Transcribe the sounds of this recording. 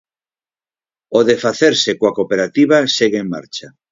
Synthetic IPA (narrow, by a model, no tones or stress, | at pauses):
oðefaθeɾsekoakopeɾat̪iβaseɣeeŋma̰ɾt͡ʃa